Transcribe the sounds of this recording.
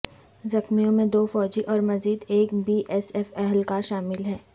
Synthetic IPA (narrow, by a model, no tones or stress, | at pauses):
zɐxmijõmẽd̪oːfɔːd͡ʒiʔɔːɾmɐziːd̪eːkbiːʔɛsɛfɛɦlkaʃaːmɪlɦɛː